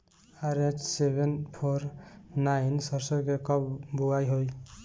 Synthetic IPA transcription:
aɾetʰsebʱenpʰoɾnajnsʌɾsɔkekɔpbuɡajɦoj

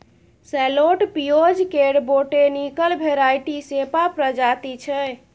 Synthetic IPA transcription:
sɛloʈpijod͡ʒkeɽboʈenikəlbʱeɾajʈisepapɾəd͡ʒat̪it͡ʃʰɛ

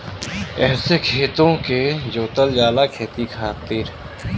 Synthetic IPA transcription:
ɛːsekʰeːt̪õked͡ʒoːt̪əld͡ʒaːlakʰeːt̪ikʰaːt̪ɪɾ

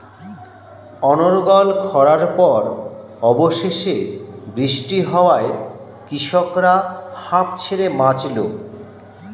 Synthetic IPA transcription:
ɔnoɾɡɔlkʰɔɾaɾpɔɾ | ɔboʃeʃebɾiʃʈiɦɔoae | kɾiʃokɾahãpt͡ɕʰeɾemãt͡ɕlo

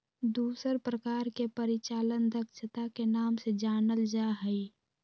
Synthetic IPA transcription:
d̪uːsəɾpɾəkaːɾkepəɾɪt͡ʃaːlənd̪əkʃʰət̪akenaːmsed͡ʒaːnəld͡ʒaɦəi

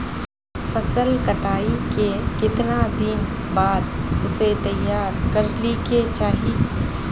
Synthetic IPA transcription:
fɐsəlkɐʈaːikekɪt̪nad̪in | baːd̪ʊset̪ɐjːaːɾkɐɾliket͡ʃaːɦie

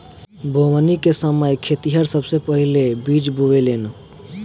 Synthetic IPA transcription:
bʱoʋənikesəməjkʰet̪iɦəɾsəbsepəɦilebid͡ʒboʋeleːn

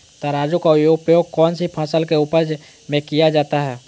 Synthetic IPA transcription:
t̪aɾaːd͡ʒũkaʊjoːɡpɾjoːɡ̚kɔːnsipʰãːsəlkeʊpəd͡ʒ | mẽkijad͡ʒaːt̪aɦɛː

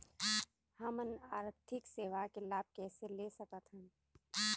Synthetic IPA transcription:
həmənaːɾt̪ʰɪkseːʋakelaːb̚kɛːselesəkət̪ɦə̃n

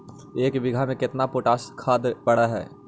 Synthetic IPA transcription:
eːkbɪɡʱamẽkɪt̪napoːʈaːskʰaːd̪pɐɽaɦɛ̰ː

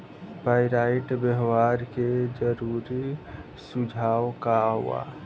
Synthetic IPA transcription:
paːɪɾaːɪʈbəɦwaːɾked͡ʒəɾuːɾi | sʊd͡ʒʱaːwkaɦʊ̰a̰ː

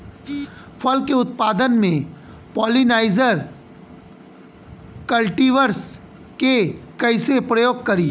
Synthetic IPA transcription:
fʰɐlkeʊt̪̚paːd̪ənmẽ | pɔːlinaːɪzəɾ | kɐlʈiːʋəɾs | kekɐɪsepɾɐjoːɡ̚kɐɾiː

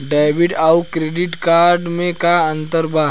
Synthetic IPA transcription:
ɖaːbɪʈawkɾeːɖɪʈkaːɾɖmẽkaɐ̃nt̪əɾbaː

